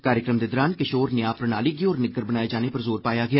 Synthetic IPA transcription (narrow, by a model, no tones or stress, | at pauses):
kaːɾjəkɾəmd̪eːd̪ɔːɾaːnkɪʃoːɾnɪjaːpɾənaːliːɡiɔːɾnɪɡəɾbənaːjeːd͡ʒaːneːpəɾzoːɾpaːjaːɡɪaː